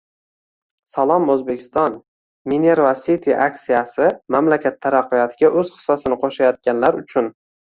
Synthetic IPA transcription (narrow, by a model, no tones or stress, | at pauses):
salˠɒmɵzbekʲʰɪ̥st̪ɒn | mineɾvasit̪ʰiʔaksijasɪmamlakʲʰat̪ʰːaɾaqːijɒt̪ʰɪɡʲaʔɵz̥qʰɨ̥sːɒsɪnɪqʰoʃajɒt̪̚kʲanlaɾʊt͡ʃʰʊn